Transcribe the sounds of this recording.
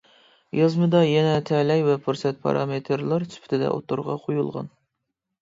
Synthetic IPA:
jɑzmɨd̪ɑjɛnɛt̪ʰɛlɛjvɛpʰuɾsɛt̪̚pʰɑ̰ɾɑ̰met̪ʰɾlˠɑɾsʰy̥pʰt̪ʰɪd̪ɛ̰ʔo̰t̪uɾʁɑqʰojulˠʁɑ̰n

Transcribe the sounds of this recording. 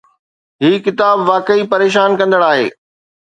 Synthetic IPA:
ɦiːkɪt̪aːbʋaːkəipɐɾeːʃ̬aːnkɐ̃nd̪əɽaːɦḛː

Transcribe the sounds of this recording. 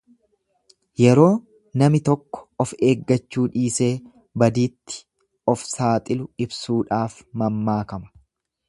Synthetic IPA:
jɛɾo̞ː | nɐmɪt̪ɔkːɔ̥ɔfe̞ːɡːɐt͡ʃːuːᶑiːse̞ː | bɐd̪iːt̪ːɪ̥ | ʔɔfsaːt̪ʼɪlʊɪbsuːᶑaːfmɐmːaːkɐmɐ̥

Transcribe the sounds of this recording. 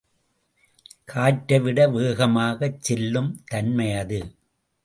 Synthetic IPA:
kʰaːʈːɐʋɪɽɐʋeːɣɐmaːɣɐt͡ʃːɛlːɯmt̪ɐnmɐjɐðɯ

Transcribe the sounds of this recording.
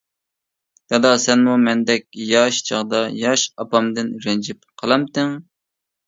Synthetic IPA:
t̪ɑd̪ɑsɛnmumɛnd̪ɛkʲjɑʃt͡ʃʰɑʁd̪ɑjɑʃɑpɑmd̪ɪnɾɛnd͡ʒɪpqʰəlˠɑmt̪ɪŋ

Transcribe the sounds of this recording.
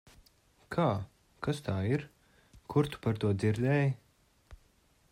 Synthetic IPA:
kʰaː | kast̪ʰaːiɾ | kʰuɾt̪u̥paɾt̪uɔd̪ziɾd̪ɛːj

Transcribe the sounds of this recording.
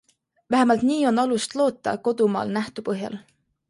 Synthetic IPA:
væɦemɑlt̪niːo̞nɑlust̪lo̞ːt̪ˑːɑ̰ko̞d̪umɑ̰ːlnæht̪upɤɦjɑ̰l

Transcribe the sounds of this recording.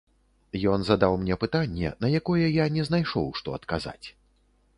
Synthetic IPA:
jɔnzɐd̪awmnʲɛpɨt̪anʲːɛ̰nɐjakɔjɛjanʲɛznajʂɔwʂt̪ɔɐt̪kaza̰t͡sʲ

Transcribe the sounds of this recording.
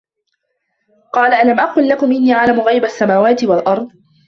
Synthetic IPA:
qɑːlaʔalamʔaqʊːlːakʊmʔɪnːiːʕalamʊɣajbasːamaːwaːt̪ɪwalʔɑɾˤd̪ˤ

